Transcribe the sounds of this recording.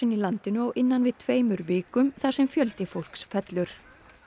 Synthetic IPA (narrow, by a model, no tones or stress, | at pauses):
ɪnilant̪ɪnʏɔɣʔɪnːanvɪðt̪ʰveːjmʏɾvɪːkʏmθaɾ̥sɛmfjœlt̪ɪfowl̥ksfɛt̪lʏɾ̥